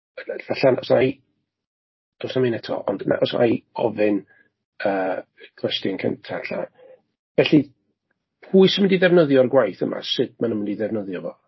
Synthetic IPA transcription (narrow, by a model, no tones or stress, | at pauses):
vaɬanɔsmaj | ɔsnaminɛtʰɔ̰ʔɔndna̰ʔɔsna̰jɔvɨn | əː | ɡʰwɛstɪnkʰə̰ntʰaɬa̰ | vɛɬi | pʰuːɨsɪməndiðɛvnəðjɔrɡwajθə̰mʔa̰sɨd̚manəməndiðɛvnəðjɔvɔ